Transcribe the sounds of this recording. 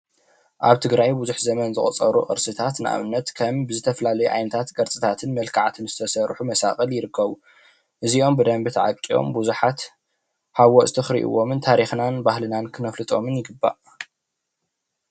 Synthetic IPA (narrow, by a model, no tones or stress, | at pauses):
ʔaβt̪ʰɨɡɾajbuzuħzɐmɐnzɨχʼt͡sʼɐɾuʔʼɨ̰ɾsɨt̪ʰat̪nɨʔa̰βɨnːɐt̪kʰɐmbɨzɨt̪ʰɐfɐlalɐjuʕa̰jnɐt̪ʰat̪ɡɐɾt͡sʼɨt̪ʰat̪ʰɨnmɐlkʰaʕat̪ʰɨnzɨt̪ʰɐsɐɾħumɐsa̰kʼɐljɪɾɨkʰːɐβu | ʔɨziʔo̞mbɨd̪ɐmbɨt̪ʰʕakʼːio̞̰mbuzuħat̪ | hawoʔʼt̪ʰɨxɾḭʔɨ̰wo̞mɨnt̪ʰaɾixnanbahlɨnankʰɨmɐflɨt̪ʼo̞mɨnjɪɡɨbːa̰ʔ